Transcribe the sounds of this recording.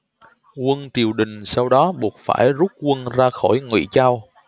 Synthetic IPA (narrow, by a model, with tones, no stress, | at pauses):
kwə˧nt͡ɕi˨˩əwɗï˨˩ŋ̟sa˧wɗɔ˨˦ɓu˨˩ət̚fa̰ː˧˩jzu˦˥t̚kwə˧nzaː˧xo˧˩jŋwḭ˧˩t͡ɕaː˧w